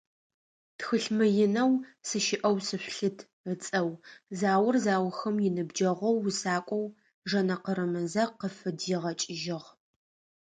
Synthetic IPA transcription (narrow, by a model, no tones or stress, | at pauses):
txɨɬmɨjɪnɐwsɨʃɪʔɐwsɨɕʷɬɨtʰ | ət͡sʼɐwzaːwʊrzaːwʊxɐmjɪnɨbd͡ʒɐʁʷɔwːsaːkʷʼɔw | ʒɐnɐqəɾɨmɐzɐqəfɨdjɪʁɐt͡ʃʼɪʒɪʁ